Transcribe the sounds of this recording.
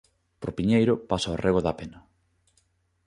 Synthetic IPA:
pɾopiɲejɾʊpasaorʔeɣ̞oðapenɐ

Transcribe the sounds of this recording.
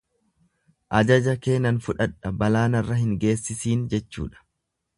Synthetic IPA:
ʔɐd͡ʒɐd͡ʒɐke̞ːnɐnfʊᶑɐᶑɐbɐlaːnɐrːɐhɪŋɡe̞ːsːɪsiːnd͡ʒɛt͡ʃːṵːᶑɐ̥

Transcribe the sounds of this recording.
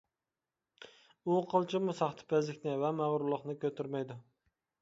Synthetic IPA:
ʊqʰɨlˠt͡ʃʰɪmʊsɑχt̪ʰɪ̥pʰæzɪkʲnɪvamæʁɾʊlˠɨχnɪkʰʲɵt̪ʰɪɾmajd̪ʊ

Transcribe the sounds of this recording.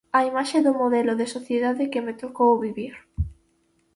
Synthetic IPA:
aimaʃeðʊmoðɛlʊðɪsoθjeðaðɪkɪmɪt̪okowβiβiɾ

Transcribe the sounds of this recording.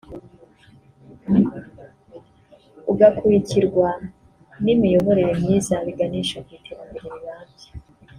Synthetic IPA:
uɡakuiciɾɡwa | nimijo̞βo̞ɾe̞ɾemɲiːzaβiɡaniʃokwitʰeβambeɾiɾiβaːmɟe

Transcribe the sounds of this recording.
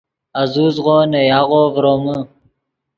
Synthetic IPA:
azuzʁonejaɣovɾomə

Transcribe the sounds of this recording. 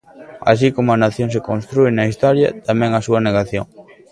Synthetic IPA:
a̰s̬ikomʊɐnaθjoŋs̬ekõnst̪ɾuenɐist̪ɔɾjɐ̰t̪amɛ̃ŋɐsuɐneɣaθjoŋ

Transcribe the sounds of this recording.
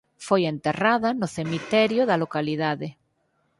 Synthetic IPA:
fojent̪eraðanoθemit̪eɾjoðalokaliðaðe

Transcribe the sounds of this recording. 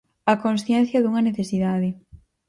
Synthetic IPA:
ɐkõnsθjɛn̟θjɐðuŋɐneθesiðaðɪ

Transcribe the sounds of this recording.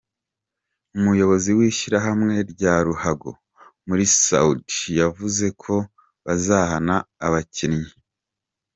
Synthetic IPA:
umujo̞βo̞ziwiːʃiɾaɦamŋe̞ɾɟaːɾuhaɡo̰ | muɾisa̰utijavuze̞kʰo̞ | βazahanaːβacinɲi

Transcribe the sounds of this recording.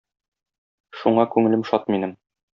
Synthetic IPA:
ʃuɴɑkʉŋɘ̆lɘmʃɒt̪̚minɘm

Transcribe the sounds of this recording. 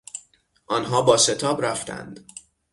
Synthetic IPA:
ʔɒːnɦɒːbɒːse̞t̪ʰɒːbɾæft̪ʰæ̰nd̪̥

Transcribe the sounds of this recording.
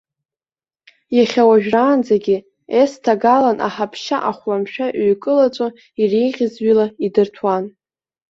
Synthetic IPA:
jaχʲawaʒᶣraːnd͡zaɡʲɪ | estʰaɡalanʔa̰ħapʰʃaʔaχʷwamʃᶣaʔɥkʼɨlat͡ʃʷʼo | irijʁʲɪzɥilaidɨrtʰwan

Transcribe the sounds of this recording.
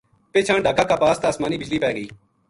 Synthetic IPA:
peːt͡ʃʰãːɳɖʱaːkaːkaːpaːst̪aːsmaːniːbɪd͡ʒliːpɛːɡəiː

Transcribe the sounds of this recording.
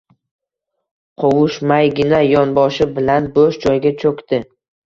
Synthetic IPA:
qʰowʊʃmajɡʲɪnajɒnbɒʃɪbɪlanboʃd͡ʒɒjɡʲat͡ʃʰɵkʲt̪ɪ

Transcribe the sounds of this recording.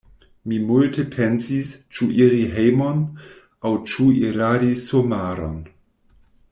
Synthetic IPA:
mimultʰepʰensist͡ʃuʔiɾiɦejmon | awt͡ʃuiɾadisumaːɾo̰n

